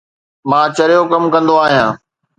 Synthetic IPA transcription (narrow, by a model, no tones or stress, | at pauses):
mãːt͡ɕɐɾijokɐmkɐ̃nd̪oaːɦijãː